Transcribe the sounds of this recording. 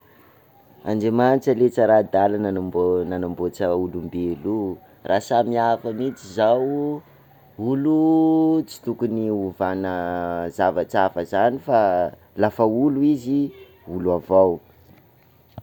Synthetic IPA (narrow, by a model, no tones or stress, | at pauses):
a̰nɖ͡ʐemant͡ʃəlet͡səɾad̪alanmbonanambot͡səulumbelu | rʔasamiafamit͡sizaw | ulut͡si̥t̪ukuniuvanəzavat͡savəzanifa | lafəuluizi | uluavaw